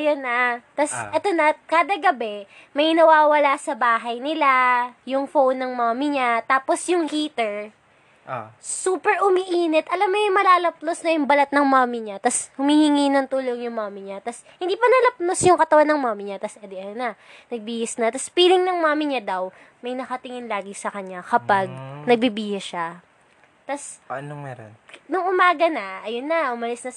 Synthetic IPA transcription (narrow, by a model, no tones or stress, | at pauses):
ɐjonɐt̪ɐsʔɛt̪onɐkaːd̪ɐɡɐbɛmɐjnɐwaːwɐlasɐbaːɦɐjnɪlajʊŋfownːɐŋmaːmɪɲat̪aːposjʊŋhit̪ɛɹ | suːpɛɹʔʊmiʔiːnɛt̪ʔɐlɐmnojʊŋmɐlaːlɐp̚nosnɐjʊŋbɐlɐt̪̚nɐŋmaːmɪɲat̪ɐshʊmihɪŋiːnɐŋt̪uːloŋjʊŋmaːmɪɲat̪ɐs | hɪnd̪iːpɐnɐlɐp̚nosjʊŋkɐt̪ɐwanːɐŋmaːmɪɲat̪ɐsɛd̪ɛʔɐjonɐ | nɐɡ̚biːhɪsnɐt̪ɐspiːlɪŋnɐŋmaːmɪɲad̪ɐw | mɐjnɐkɐt̪ɪŋɪnlaːɡɪsɐkɐɲakɐpaɡ̚nɐɡ̚bibiːhɐʃa | t̪ɐsnomɛɾo̰nnʊŋʔʊmaːɡɐnɐʔɐjonːɐʔʊmɐlɪsnɐ